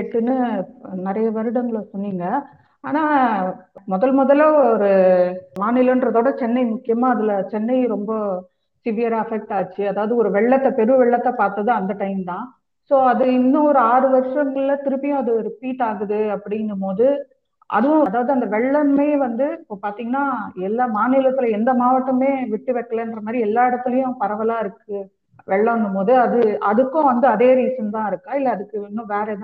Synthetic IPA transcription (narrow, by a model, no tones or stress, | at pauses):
ʈːɯnːɯnɪɾɐjɐʋɐɾɯɽɐŋɡɐɭɐsɔnːiːŋɡɐ | aːnaː | mɔðɐlmɔðɐlɐɔɾɯmaːnɪlɐndɾɐðoːɽɐt͡ʃɛnːɐɪmʊkːɪjɐmãːɐðɪlɐt͡ʃɛnːɐɪɾɔmbɐ | sɪʋɪjɐɾaːɐfɛk̚ʈaːt͡ʃːiɐðaːʋɐðɯɔɾɯʋɛɭːɐt̪ːɐpɛɾɯʋɛɭːɐt̪ːãːpaːɾt̪ɐðɯɐnd̪ɐʈɐɪmt̪ãː | soːɐðɯɪnːʊ̃ɔɾɯaːɾɯʋɐɾʂɐŋɡɐɭlɐt̪ɪɾɯpːɪjʊ̃ɐðɯɾɪpiːʈaːɣɯðɯɐpːɐɽɪnɐmpoːðɯ | ʔɐ̰ðɯʋʊ̃ɐðaːʋɐðɯɐnd̪ɐʋɛɭːɐmeːʋɐnd̪ɯɪpːoːpaːɾt̪iːŋɡɐnːaːɛlːaːmaːnɪːlɐt̪ːɯlɐɛnd̪ɐmaːʋɐʈːɐmeːʋɪʈːɯʋɛkːɐɭɐɛndrɐmaːd̪ɾiɛlːaːɪɽɐt̪ːɪlɐjʊ̃pɐɾɐʋɐlaːɪɾɯkːɯ | ʋɛɭːɐʋɐnɯmoːðɯɐðɯʔɐðɯkːʊ̃ʋɐnd̪ɯɐðeːɾiːsɐmt̪ãːɪɾɯkːãːɪlːɐɐðɯkːɯɪnːʊ̃ʋeːɾet̪ãː